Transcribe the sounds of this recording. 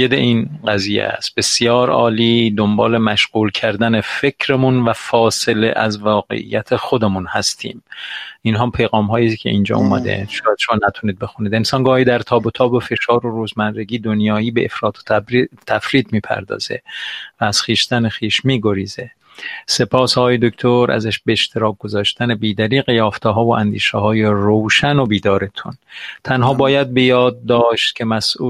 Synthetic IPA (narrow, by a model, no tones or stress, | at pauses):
jed̪ḛʔiːnɢæziːjḛæ̰st̪̚b̥e̞sjɒːɾɒ̰ːliːd̪o̞mbɒːlemæʃɢuːlcʰæɾd̪æne̞fecʰɾemunvæfɒːse̞lḛʔæzvɒːɡḛʔḭjæt̪ʰexo̞d̪emunhæst̪ʰḭːminɦɒːpʰejɣɒːmɦɒːjikʲʰeʔind͡ʒɒ̰ːṵmæ̰d̪ḛʃɒːjæd̪̥ʃomɒːnæt̪ʰuniːd̪̚be̞xuniːd̪e̞nsɒːnɡɒːhiːd̪æɾt̪ʰɒːbot̪ʰɒːbofe̞ʃɒːɾoɾuːzmænɾeɡiːd̪onjɒːiːbeʔefɾɒːt̪ʰo̥t̪ʰæfɾiːt̪miːpʰæ̰ɾd̪ɒ̰ːz̥e̞̰væːz̥xiːʃt̪ænexiːʃmiːɡo̞ɾiːze | se̞pʰɒːsɒːɣːjed̪okt̪ʰoɾæ̰zæʃbeːʃt̪ʰeɾɒːk̚ɡozɒːʃt̪ænebiːd̪æɾiːɣejɒːft̪ʰeɦɒːvoʔænd̪iːʃɛɦɒːjerowʃæno̞biːd̪ɒːɾet̪ʰunt̪ʰænɦɒːbɒːjæd̪̚be̞jɒːd̪̚ːɒːʃt̪̚cʰʲe̞mæsʔuː